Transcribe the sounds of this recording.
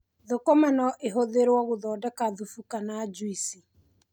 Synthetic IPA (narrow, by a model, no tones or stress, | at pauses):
ðokɔmanɔʔeɦoðeɾwɔɣoðɔːdɛkaðufukanad͡ʒwisi